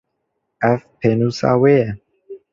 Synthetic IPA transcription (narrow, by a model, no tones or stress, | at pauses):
ɛfpʰenusa̰weɛ